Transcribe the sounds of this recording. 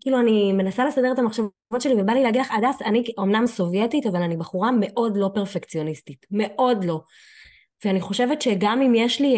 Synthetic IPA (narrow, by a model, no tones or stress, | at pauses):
kiːluanime̞nasale̞sade̞etamaχʃav | vo̞tʃe̞livebalileaɡidlaχadasanio̞mnamso̞vjetitavalanibaχuʁame̞ʔo̞dlo̞peʁfekt͡sio̞nistitme̞ʔo̞dlo̞ | veaniχo̞ʃe̞vetʃe̞ɡamimjeʃli